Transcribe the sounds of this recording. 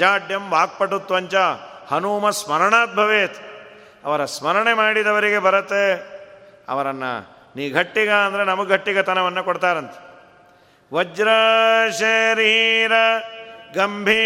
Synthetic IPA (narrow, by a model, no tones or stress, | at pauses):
d͡ʒaːɖjɐmbʱaːɡ̚pɐʈːut̪ːʋɐɲt͡ʃɐ | hɐnuːmɐsmɐɾɐɳaːd̪̚bʱɐʋeːt̪ | ɐ̰ʋɐɾɐsmɐɾɐɳemaːɽid̪ɐʋɐɾiɡe̞bɐɾɐt̪ːe | ɐ̰ʋɐɾɐnːɐ̰ | niːɡʱɐʈːiɡɐːnd̪ɐɾenɐmɐɡɡʱɐʈːiɡɐt̪ɐnɐʋɐnːɐkɔɽt̪aːɾɐnt̪ɐ̥ | ʋɐd͡ʒɾɐʃɐɾiːɾɐɡɐmbʱiː